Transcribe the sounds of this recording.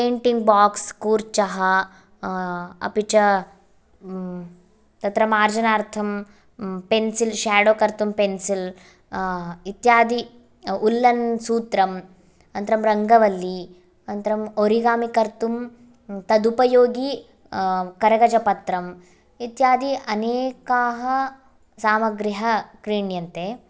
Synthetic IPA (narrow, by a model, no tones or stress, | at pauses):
peːɳʈiŋɡ̚baːkskuːɾt͡ʃɐɦɐ | ɐ̰pit͡ʃɐ | t̪ɐt̪ɾɐmaːɾd͡ʒɐnaːɾt̪ʰɐm | pensilʃaːɽoːkɐɾt̪umpensil | it̪jaːd̪i | ulːɐnsuːt̪ɾɐm | ɐnt̪ɐɾɐmɾɐŋɡɐʋɐlːi | ɐnt̪ɐɾɐmoɾiɡaːmikɐɾt̪um | t̪ɐd̪upɐjoːɡi | kɐɾɐɡɐd͡ʒɐpɐt̪ɾɐm | it̪jaːd̪iʔɐneːkaːɦɐ | saːmɐɡɾiɦɐkɾiːɳjɐnt̪e